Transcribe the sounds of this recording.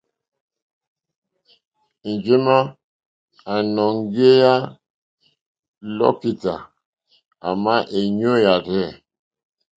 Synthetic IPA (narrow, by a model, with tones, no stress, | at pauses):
n̩˨d͡ʒe˦ma˦ | a˨nɔ˨ŋɡe˦ja˦ | lɔ̰˦ki˨ta˨ | a̰˨ma˦ʔe˨ɲõ˦ja˨ɾɛ˦˨